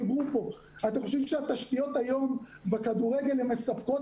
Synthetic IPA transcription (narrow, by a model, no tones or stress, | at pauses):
ibʁupo̞ | at̪emxoʃ̬ɛivʃeat̪aʃt̪ijo̞t̪ajo̞mvekad̪uʁeɡe̞lhɛmːe̞sapko̞